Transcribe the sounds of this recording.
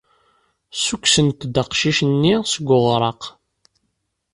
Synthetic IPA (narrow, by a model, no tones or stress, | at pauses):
sukʷsənt̪d̪əqʃiʃənːisəɡʷːʊʁɾˤɑq